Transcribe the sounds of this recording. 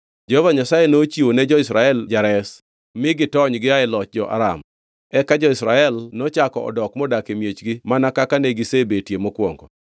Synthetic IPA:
d͡ʒɛhovaɲasajenot͡ʃionɛd͡ʒɔɪsɾaɛld͡ʒaɾɛs | mɪɡɪtɔɲɡɪaɪlɔt͡ʃ̚d͡ʒɔʔa̰ɾa̰m | ɛkad͡ʒɔɪsɾaɛlnɔt͡ʃakɔɔ̰dɔkmɔdakemjet͡ʃɡɪmanakakaneɡɪsebetjemokwɔŋɡɔ

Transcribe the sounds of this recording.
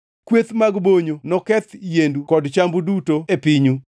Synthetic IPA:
kwet̪maɡboɲonɔkɛt̪jendukɔdt͡ʃambudutoepiɲu

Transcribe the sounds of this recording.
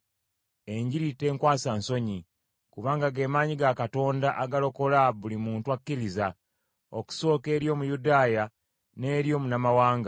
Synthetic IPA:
e̞ɲɟiɾitːe̞ːŋkwaːsanso̞ɲi | kuβaːŋɡaɡe̞ːmaːɲiɡakato̞ːndaʔaɡalo̞ko̞laβulimuːntwakːiɾiza | o̞̰ku̥so̞ːke̞ːɾjo̞ːmujudaːja | ne̞ːɾjo̞ːmunamawaːŋɡa

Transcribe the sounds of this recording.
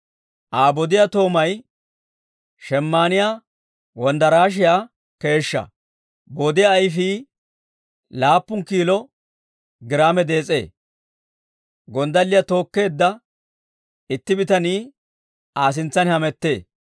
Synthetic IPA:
ʔaːbɔd̪ɪjat̪o̞ːmɐj | ʃɛmːaːnɪjaː | wɔnd̪ɐɾaːʃ̬ɪja | ke̞ːʃːɐ̰ | boːd̪ɪjaːjfiː | laːpːʊŋkiːlɔ | ɡɪɾaːmɛd̪e̞ːt͡sʼe̞̰ː | ɡɔnd̪ɐlːɪjɐt̪o̞ːkːe̞ːd̪ːɐ | ɪt̪ːɪbɪt̪ɐniː | aːs̬ɪnt͡sːɐnhɐmɛt̪ːe̞ː

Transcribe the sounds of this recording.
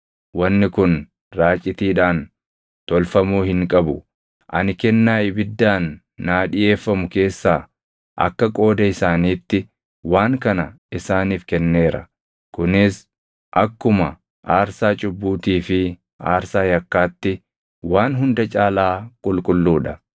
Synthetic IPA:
wɐnːɪkʊn | ɾaːt͡ʃʼːɪt̪iːᶑaːn | t̪ɔlfɐmuːhɪŋkʼɐbʊ | ʔɐ̰nɪkɛnːaːɪbɪd̪ːaːnː | aːᶑɪje̞ːfːɐmʊke̞ːsːaː | ʔɐ̰kːɐkʼo̞ːd̪ɐɪsaːniːt̪ːɪ | waːŋkɐnɐ | ɪsaːniːfkɛnːeːɾɐ̰ | kʊnɪs | ʔɐkːʊmɐ | ʔaːɾsaːt͡ʃʼʊbːuːt̪iːfɪ | a̰ːɾsaːjɐkːaːt̪ːɪ | waːnɦʊnd̪ɐt͡ʃʼaːlaːkʼʊlkʼʊlːuːᶑɐ

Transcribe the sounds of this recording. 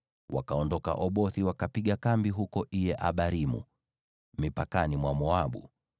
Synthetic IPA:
wa̰kaɔndɔka̰ʔɔɓɔθiwakapiɠakambiɦukɔʔijɛʔaɓaɾimṵ | mipakanimwamɔaɓṵ

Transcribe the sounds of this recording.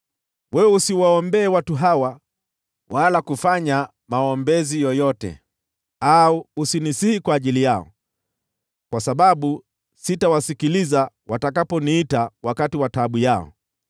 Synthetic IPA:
wɛɛusiwaɔmbɛːwatuɦawa | walakufaɲa | maɔmbɛzijɔjɔtɛ̰ | auːsinisihikwaːʄilijaɔ̰ | kwasaɓaɓu | sitawasikiliza | watakapɔniitawakatiwataɓujaɔ̰

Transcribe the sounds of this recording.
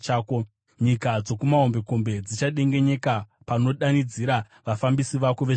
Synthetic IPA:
aːko | ɲikad͡zo̞kumaɦombe̞ko̞mbe̞d͡zit͡ʃaɗe̞ŋɡe̞ɲe̞kapano̞ɗanid͡ziɾa | ʋafambisiʋakoʋe

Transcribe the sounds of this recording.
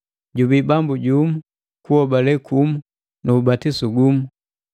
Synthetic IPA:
ɟubibambuɟumu | kuɔbalɛkʰumu | nuːbatisuɡumu

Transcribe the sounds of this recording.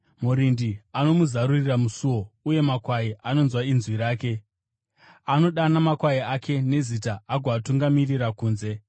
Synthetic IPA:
muɾindiano̞muzaɾuriramusuwo̞uje̞makwaiʔano̞nzwainzwiɾaːke̞ | ano̞ɗanamakwaiakʰe̞ne̞zitaːɡʱoatuŋɡamirirakuːnze̞

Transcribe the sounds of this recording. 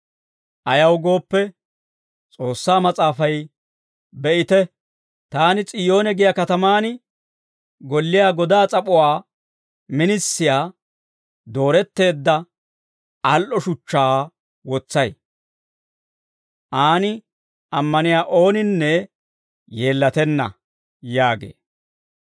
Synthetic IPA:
ʔɐjɐwɡo̞ːpːɛ | t͡sʼo̞ːsːaːmɐt͡sʼaːfɐj | bɛʔɪt̪ɛ | t̪aːnɪt͡sʼɪjo̞ːnɛɡɪjɐkɐt̪ɐmaːnɪ | ɡɔlːɪjaːɡɔd̪aːt͡sʼɐpʼʊwaː | mɪnɪsːɪjaː | d̪o̞ːɾɛt̪ːe̞ːd̪ːɐ | ʔɐlʔɔʃʊt͡ʃːaː | wɔt͡sːɐj | ʔaːnɪ | ʔɐmːɐnɪjaːʔo̞ːnɪnːɛ | je̞ːlːɐt̪ɛnːɐ̰ | jaːɡḛː

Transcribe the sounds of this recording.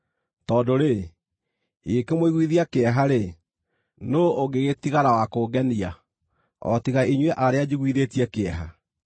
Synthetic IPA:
tɔdoɾe | ekemoiɣwiðiakeɛɦaɾe | nooɡeɣetiɣaɾawakoːɡɛnia | ɔ̰tiɣaʔiɲwɛʔaɾead͡ʑiɣwiðetiɛkeɛɦa̰

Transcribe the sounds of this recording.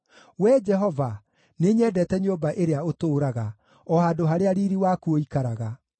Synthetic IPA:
wɛd͡ʒɛɦɔva | neɲɛːdɛtɛɲoːbaʔeɾeaotoːɾaɣa | ɔhaːdoɦaɾeaɾiːɾiwakuoikaɾaɣa

